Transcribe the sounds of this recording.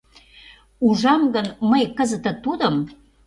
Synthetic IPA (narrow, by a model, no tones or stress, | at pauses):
uʒɑmɡənməjkəzə̆t̪ə̆t̪ud̪əm